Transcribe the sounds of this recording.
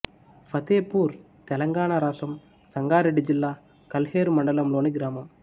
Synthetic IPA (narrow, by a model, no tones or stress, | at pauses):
fɐt̪eːpuːɾ | t̪ɛlɐŋɡaːɳaːɾaːsɐm | sɐŋɡaːɾiɽid͡ʒɪlːaː | kɐlheːɾmɐɳɖɐlɐmloːniɡɪɾaːmɐm